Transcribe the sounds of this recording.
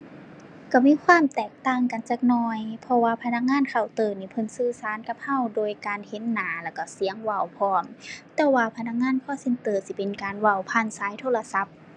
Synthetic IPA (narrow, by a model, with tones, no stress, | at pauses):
ka˧˩miː˧˥˨kʰwaː˧˥˨mt̪ɛː˨˩k̚t̪aː˧˥˩ŋka˨˩nt͡ɕaː˧k̚nɔː˧jpʰɔ˧waː˧pʰa˧na˧˥k̚ŋaː˧˥˨nkʰa˧˩˨wt̪ɤː˧˩niː˧˩pʰɤ˧˥˨nsɯː˧˩saː˨˧˦nka˧˥p̚ha˧˩˨wdoː˧˩jkaː˨nhe˧˦nːaː˨˦lɛː˧˩ka˧˩si˨˦əŋwa˧˩˨wpʰɔː˧˩nt̪ɛː˧˩waː˧pʰa˧na˧k̚ŋaː˧˥˨nkʰɔː˧˨se˧nt̪ɤː˧˩si˧pe˨nkaː˨nwa˧˩wpʰa˧˩˨nsaː˨˧˦jt̪ʰoː˧˩la˧sa˧˦p̚